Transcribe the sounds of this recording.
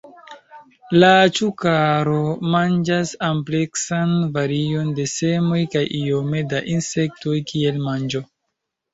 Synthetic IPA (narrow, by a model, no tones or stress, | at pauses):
lat͡ʃukaɾo̞mand͡ʒasample̞ksanvaɾio̞nde̞se̞mo̞jkajʔio̞me̞daʔinse̞k̚to̞jkʰie̞lmand͡ʒo